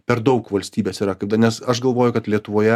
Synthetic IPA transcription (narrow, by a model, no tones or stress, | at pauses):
pʲɛɾd̪ɒʊkʋɐlʲsʲt̪ʲiːbʲeːsiːɾɐkɐɪpd̪ɐnʲɛsɐʃɡɐlˠʋoːjʊkɐt̪lʲiɛt̪ʊʋoːjɛ